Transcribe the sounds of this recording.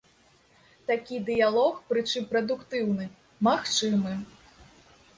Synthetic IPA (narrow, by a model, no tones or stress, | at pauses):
t̪akʲid̪ɨjalˠɔxpɾɨt͡ʂɨmpɾɐd̪ukt̪ɨwnɨ | maxt͡ʂɨmɨ